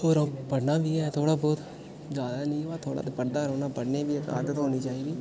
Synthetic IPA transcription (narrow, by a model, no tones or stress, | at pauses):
oːɾõːpəɽnãːʋiːɛːt̪ʰoːɽaːbɔːt̪ | zjaːd̪aːnĩːʋaːt̪ʰoːɽa̰ːt̪eːpəɽd̪aːɾoːnaːpəɽneːʋiːəka̰ːɾd̪ət̪ɦoːniːt͡ʃaːiːd̪iː